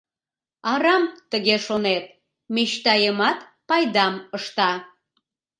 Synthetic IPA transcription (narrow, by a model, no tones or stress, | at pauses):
ɑɾɑmt̪əɣeʃonet̪̚ | miʃt̪ɑjəmɑt̪ | pɑjd̪ɑməʃt̪ɑ